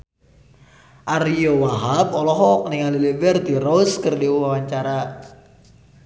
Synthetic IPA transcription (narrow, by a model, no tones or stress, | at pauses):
ʔariowaɦap̚ɔlɔɦɔk̚nɪŋalilibərt̪iɾoskərdiwwawaɲt͡ʃaɾa